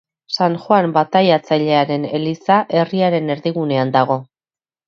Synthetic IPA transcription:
saŋʝwambat̪ajat͡saʎe̞aɾe̞ne̞lisaʔe̞riaɾe̞ne̞ɾðiɣ̞une̞and̪aɣ̞o̞

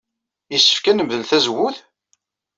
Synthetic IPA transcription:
jəsːə̥fkænəmðəlθæzwʊθ

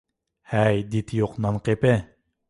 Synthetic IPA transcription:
hæjd̪it̪ʰjoqnɑnqepɪ

